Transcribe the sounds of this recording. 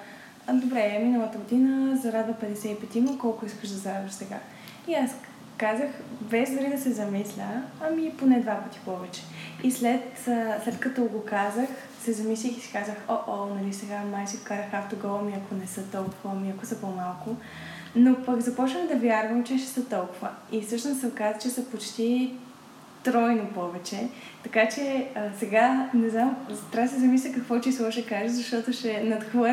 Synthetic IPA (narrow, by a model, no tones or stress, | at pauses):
d̪obɾɛminəlˠət̪əɡod̪inəzɐɾad̪vəpɛd̪ɛsɛipɛt̪iməkɔlˠkʊiskəʃd̪ɐzɐɾad̪vəʃsɛɡa̰ | ias | kazəxvɛzʲd̪oɾid̪ɐsɛzɐmislʲəɐmiponɛd̪vapət̪i̥pɔvɛt͡ʃɛ̥islɛt̪ːslɛt̪kɐt̪ɔɡokazəx | sɛzɐmislʲixisi̥kazəxoʔonɐlisɛɡamajsikokazəxaft̪oɡɔlˠmiɐkʰonɛsɤt̪ɔlˠkʊvəmiɐkosəpomalˠkʊ | nopɐkzɐpɔt͡ʃnəxd̪ɐvjaɾvəmt͡ʃɛʃɛ̥sət̪ɔlˠkʊvəisɤʃnosɛkazət͡ʃɛsəpot͡ʃt̪i | t̪ɾɔjnopɔvɛt͡ʃɛt̪ɐkat͡ʃɛəsɛɡanɛznamzt̪ɾʲavəs̬ɛzɐmislʲɐkɐkvɔt͡ʃislˠɔʃɛkaʒɛzɐʃt̪ɔt̪oʃɛnɐt̪xvɤ